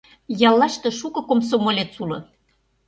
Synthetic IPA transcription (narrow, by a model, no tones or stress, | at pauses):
jɑlːɑʃt̪ĕʃukɤ̆koms̬omolʲet͡sulɤ̰̆